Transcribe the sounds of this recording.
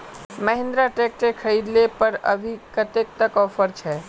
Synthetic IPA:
məɦɪ̃nd̪ɾaʈeːk̚ʈekʰəiːd̪lepəɾə̰bʱikət̪ek̚t̪əkɔːfʰəɾt͡ʃʰɛː

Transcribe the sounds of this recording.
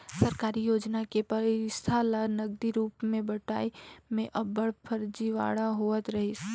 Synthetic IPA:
səɾkaːɾijoːd͡ʒnakepɐɾɪst̪ʰalanɐɡ̚d̪iɾuːpmẽbɐʈa̰ːimẽʔɐbbəɽpʰəɾd͡ʒiʋa̰ːɽaɦoːət̪ɾɐɦis

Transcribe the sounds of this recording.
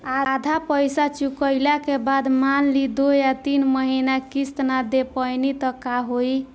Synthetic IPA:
ad̪ʱapəjsat͡ʃukəjlakebad̪manlid̪ojat̪inməɦinakist̪nad̪epəjnit̪əkaɦoj

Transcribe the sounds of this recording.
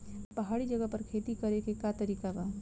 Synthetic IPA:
pɐɦaːɽid͡ʒɐɡəpɐɾkʰeːt̪ikɐɾekekat̪ɐɾiːkabaː

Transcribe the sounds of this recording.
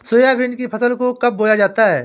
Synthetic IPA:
soːjabʱɪnkipʰɐsəlkokɐb̚boːjad͡ʒaːt̪aɦɛː

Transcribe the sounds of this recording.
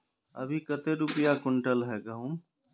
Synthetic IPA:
əbʱikət̪eɾʊpjakʊɳʈəlɦɛɡəɦum

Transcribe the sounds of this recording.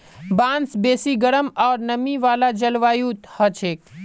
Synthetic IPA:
bãnsbesiɡəɽəmaːɾnəmiʋalad͡ʒəlʋajut̪hət͡ʃʰek̚

